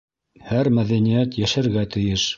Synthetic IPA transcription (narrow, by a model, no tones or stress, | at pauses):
hæɾmæðænijæt̪jæʃæɾɡæt̪ɘ̆jɘʃ